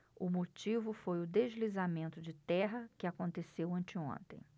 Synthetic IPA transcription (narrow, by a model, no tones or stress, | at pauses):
ʊmot͡ʃivʊfojʊd̪eʒlizamẽnt̪ʊd͡ʒɪt̪ɛɦɐkɪakõnt̪esewɐ̃nt͡ʃɪõ̰nt̪ḛ̃j̃